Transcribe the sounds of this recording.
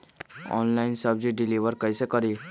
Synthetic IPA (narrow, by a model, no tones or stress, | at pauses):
ɔ̰nlaɪnsəbd͡ʒiɖɪliʋəɾkəjsekəɾi